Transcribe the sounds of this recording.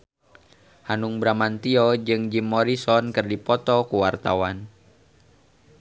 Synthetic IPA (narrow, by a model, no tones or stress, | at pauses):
hanuŋbɾamant̪iɔd͡ʒɨŋd͡ʒimːɔɾisɔnkɨrdipɔt̪ɔkuwart̪a̰wan